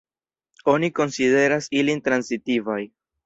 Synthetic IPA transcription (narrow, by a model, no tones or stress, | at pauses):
o̞niko̞nside̞ɾasilintɾansitivaj